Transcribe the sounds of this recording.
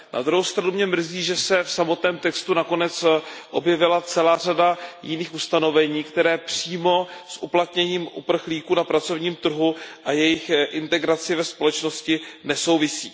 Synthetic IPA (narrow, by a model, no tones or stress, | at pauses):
na̰d̪ɾuɦowst̪ɾanumɲɛmr̩ziːʒɛsɛfsamo̞t̪nɛːmt̪ɛkst̪unako̞nɛt͡sʔo̞bjɛvɪlat͡sɛlaːr̝adajɪniːxust̪ano̞vɛɲiːkt̪ɛɾɛːpr̥iːmo̞sʔuplat̪ɲɛɲiːmʔṵpr̩xliːkuːnapɾat͡so̞vɲiːmt̪r̩ɦuʔajɛjɪxʔɪnt̪ɛɡɾat͡sɪvɛspo̞lɛt͡ʃno̞scɪnɛso̞wvɪsḭː